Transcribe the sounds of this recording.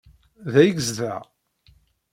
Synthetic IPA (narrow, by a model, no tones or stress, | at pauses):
ðæjəɡəzðæ